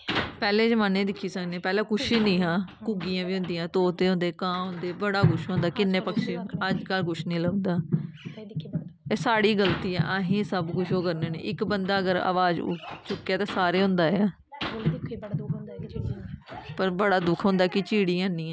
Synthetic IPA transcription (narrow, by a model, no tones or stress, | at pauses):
pɛːleːd͡ʒəmãːnẽːd̪ɪkʰːiːsəknẽːpɛːlẽːkʊʃiːnĩːɦãːkʊɡijãːʋiːɦʊ̃nd̪iːjãːt̪oːt̪eːɦʊ̃nd̪eːkãːɦõnd̪eːbəɽaːkʊʃɦõːnd̪aːkɪnːẽːpəkʃẽːəd͡ʒkəlkʊʃnĩːləːʊ̃nd̪aː | eːsaːɽiːɡəlt̪iːɛ̰̃ːʔaɦĩːsəbkʊʃoːkəɾneːnḛːʔɪkbənd̪aːəɡəɾa̰ːʋaːd͡ʒ̰t͡ʃʊkːjaːt̪eːsaːɾeːɦʊ̃nd̪aːjaː | pəɾbəɽaːd̪ʊkʰɦõːnd̪aːkɪt͡ʃiːɽiːãːnĩːãː